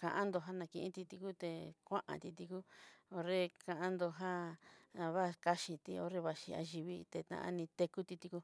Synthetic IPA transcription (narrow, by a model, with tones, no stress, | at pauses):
kã̰˧ʔã˦nd̪o˧ɦa˦nã˧kĩ˧ʔĩ˦t̪i˧t̪i˧ku˦t̪e˧˨kʷã̰˦ʔã̰˧t̪i˧t̪i˧ku˦o˧ɾe˦kã˧ʔã˦nd̪o˧ɦã˦˧ | βa˦˧ka˦ʃĩ˧t̪i˧˦o˧ɾe˧βa˧ʃḭ˧a̰˧ʒi˧βi˦t̪e˧t̪ã̰˧ʔã̰˧nĩ˧t̪e˧ku˦t̪i˧t̪i˧ku˦